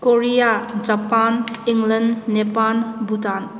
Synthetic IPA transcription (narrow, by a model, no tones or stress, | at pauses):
koɾijad͡ʒapaniŋlənːepanbutan